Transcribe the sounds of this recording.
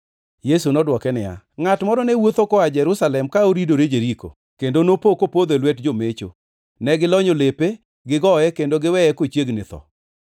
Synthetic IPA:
jesunɔdwɔkɛnɪja̰ | ŋatmɔɾɔnɛwot̪okɔad͡ʒɛɾʊsalɛmkaoɾidoɾed͡ʒeɾiko̰ | kendonopokopod̪elwɛtd͡ʒomet͡ʃo̰ | nɛɡɪlɔɲolepe | ɡɪɡɔɛkendoɡɪwɛɛkot͡ʃjeɡnɪt̪ɔ̰

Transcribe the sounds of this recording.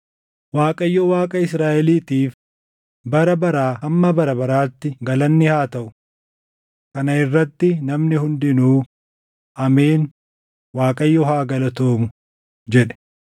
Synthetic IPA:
waːkʼɐjːɔwaːkʼɐɪsɾaːʔɛliːt̪iːf | bɐɾɐbɐɾaːɐmːɐbɐɾɐbɐɾaːt̪ːɪɡɐlɐnːɪhaːt̪ɐʔʊ | kɐnɐɪrːɐt̪ːɪnɐmnɪhʊnd̪ɪnuː | ʔɐmeːn | waːkʼɐjːɔɦaːɡɐlɐt̪oːmʊ | d͡ʒɛᶑɛ̥

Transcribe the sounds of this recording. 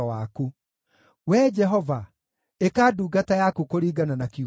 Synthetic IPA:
ɔwaku | wɛːd͡ʒɛɦɔva | ekaːduːɡatajakukoɾiːɡananaki

